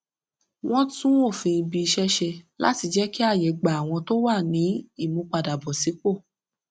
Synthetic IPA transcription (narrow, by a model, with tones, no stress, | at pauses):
w̃ɔ̃˦tũ˦o˦˨fĩ˧bi˧i˧ʃɛ˦ʃɛ˧la̰˦ti˧d͡ʒɛ˦ki˦a˦˨jɛ˨ɡ͡ba˨a˨w̃ɔ̃˧to˦wa˦˨nĩ˨˦i˦˨mũ˨˧k͡pa˧˨da˨bɔ˨si˨˦k͡po˦˨